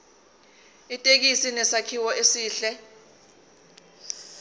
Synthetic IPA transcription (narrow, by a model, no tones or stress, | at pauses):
itʼek̬isinɛsakʰiwɔʔesiːɬɛ